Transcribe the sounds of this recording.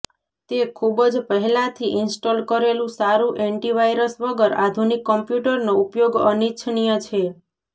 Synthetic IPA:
t̪ekʰubəd͡ʒpəɦɛlãt̪ʰiʔɪnsʈolkəɾelũsaɾũʔeɳʈiʋajɾəsʋəɡəɾad̪ʱunikːɔmpjuʈəɾnoupjoɡənitːʃʰnijət͡ʃʰe

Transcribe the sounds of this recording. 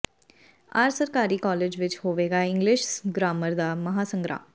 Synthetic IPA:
a̰ːɾsəɾkaːɾiːkɔːleːd͡ʒʋɪt͡ʃhoːʋeːɡaːɪ̃ŋɡlɪʃɡɾaːməɾd̪aːməɦaːsə̃ŋɡɾa̰ːm

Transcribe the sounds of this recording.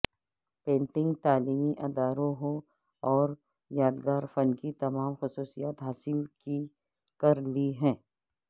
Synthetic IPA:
pẽːɳʈɪ̃ŋɡt̪aːliːmiʔɐd̪aːɾõɦõ | ɔːɾ | jaːd̪ɡaːɾfɐnkit̪ɐmaːmxʊsuːsijaːt̪ɦaːsɪlki | kɐɾliɦɛ̃ː

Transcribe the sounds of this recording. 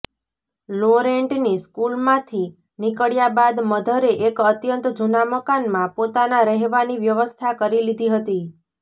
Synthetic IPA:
loɾeɳʈniskulmãt̪ʰi | nikəɭjabad̪məd̪ʱəɾeʔekət̪jənt̪d͡ʒunaməkanmãpot̪anaɾəɦʋaniʋjəʋəst̪ʰakəɾilid̪ʱiɦət̪i

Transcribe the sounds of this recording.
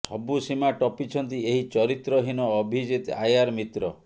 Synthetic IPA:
sɔ̰busimaʈɔpit͡ʃʰɔnt̪ieɦit͡ʃɔɾit̪ɾɔɦinɔːbʱid͡ʒit̪a̰jaɾmit̪ɾɔ

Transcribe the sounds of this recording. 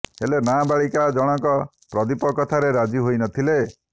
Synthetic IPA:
ḛlenabaɭikad͡ʒɔɽ̃ɔŋkɔ | pɾɔd̪ipɔkɔt̪ʰaɾeɾad͡ʒiɦojnɔt̪ʰile

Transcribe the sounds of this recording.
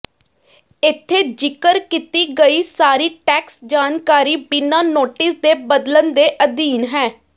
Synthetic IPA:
ɪt̪ʰːeːd͡ʒɪkəɾkit̪iːɡəiːsaːɾiːʈɛːksd͡ʒaːnkaːɾiːbɪnaːnoːʈɪsd̪eːbəd̪lənd̪eːʔəd̪iːnɦɛː

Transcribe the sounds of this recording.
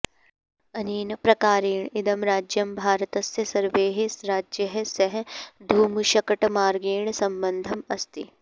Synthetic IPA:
ɐniːnɐpɾɐkaːɾiːɳɪd̪ɐmɾaːd͡ʒjɐmbʱaːɾɐt̪ɐst̪jɐsɐɾʋeːɦesɾaːd͡ʒjɐɦsɐɦd̪ʱuːmuʃɐkɐʈmaːɾɡiːɳ̃sɐmbɐnd̪ʱɐmɐst̪ḭ

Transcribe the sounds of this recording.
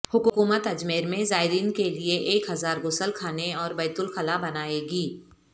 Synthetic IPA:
hʊkuːkuːmət̪ɐd͡ʒmeːɾmẽzaːɪɾiːnkelieʔeːkɦɐzaːɾɡʊsəlkʰaːneɔːɾbɐːt̪ʊlxɐlabɐnaːeːɡiː

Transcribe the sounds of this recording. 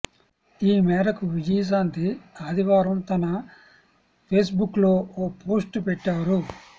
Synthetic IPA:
iːmɛːɾɐkuʋid͡ʒiːs̬aːnt̪iaːd̪iʋaːɾɐmt̪ɐnɐ | pʰeːsbukːlo̞ːoːpo̞ːsʈpɛʈːaːɾu

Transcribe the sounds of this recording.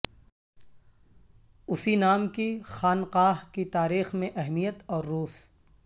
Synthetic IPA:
ʊsinaːmkixaːnqaːɦkit̪aːɾiːxmẽʔɛɦmijət̪ɔːɾːuːs

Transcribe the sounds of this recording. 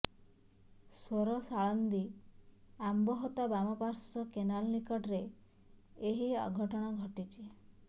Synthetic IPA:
soɾɔsaɭɔnd̪i | ambɔɦɔt̪abamɔpaɾsɔkenallikɔʈɾeː | ɦiɔ̰ɡʱɔʈɔɽ̃ɔɡʱɔʈit͡ʃʰi

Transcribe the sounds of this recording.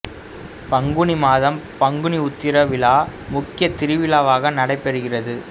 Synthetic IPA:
pɐŋɡɯɳimaːðɐmpɐŋɡɯɳiʊt̪ːɪɾɐʋɪlaːmʊkːɪjɐt̪ɪɾɯʋɪlaːʋaːɣɐnɐɽɐɪpːɛɾɯɣɪrɐðɯ

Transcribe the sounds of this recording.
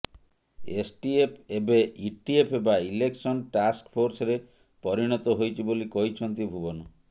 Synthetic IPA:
esʈiepʰebeiʈiepʰebaileksɔnʈaskpʰoɾsɔɾe | pɔɾiɽ̃ɔt̪ɔɦojt͡ʃʰibolikɔɦit͡ʃʰɔnt̪ibʱubɔnɔ

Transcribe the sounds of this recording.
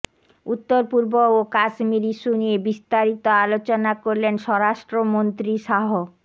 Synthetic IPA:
ut̪ːoɾpuɾbookasmiɾiʃuniebist̪aɾit̪oalot͡ɕonakoɾlenʃɔɾaʃʈɾomont̪ɾiʃaɦo

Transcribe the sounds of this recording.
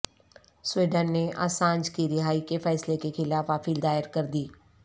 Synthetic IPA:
swiːɖənːeʔa̰ːsãːnd͡ʒkiɾɪɦaːikefɛːslekexɪlaːfaːpiːld̪aːɪəɾkɐɾd̪iː

